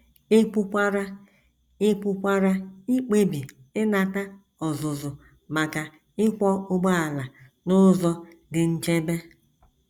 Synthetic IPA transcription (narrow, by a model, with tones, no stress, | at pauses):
ɪ˦k͡pʊ˦kʷa˦ɾa˦ | ɪ˦k͡pʊ˦kʷa˦ɾa˦i˦k͡pe˦bi˨ | ɪ˦na˨ta˦ | ɔ˨zʊ˨zʊ˨ | ma˨ka˨ | ɪ˦kʷɔ˦ʊ˦ɡ͡ba˦a˨la˨ | nʊ˦zɔ˦dɪ˨n̩˦t͡ʃe˦be˦